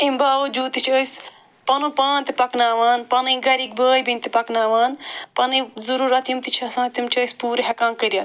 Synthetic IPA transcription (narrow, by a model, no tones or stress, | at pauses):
imbaːʋɐd͡ʒuːt̪it͡ʃʰəːsʲ | pɐnupãːnt̪ipɐknaːʋaːnpɐnɨɡɐɾik̚bəːjbint̪ipɐknaːʋaːnpɐnɨzuɾuːɾɐt̪jimt̪it͡ʃʰɐsãːt̪imt͡ʃʰəːsʲpuːɾɦɐkãːnkəɾʲijat̪